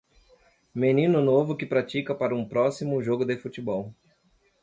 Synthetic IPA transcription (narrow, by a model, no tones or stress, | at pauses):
menĩnʊnovʊkɪpɾat͡ʃikɐpaɾɐũpɾɔsimʊʒoɡʊd̪efut͡ʃibɔw